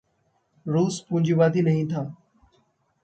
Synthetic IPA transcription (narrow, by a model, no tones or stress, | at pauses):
ɾuːspũd͡ʒiʋaːd̪iːnɐɦĩt̪ʰaː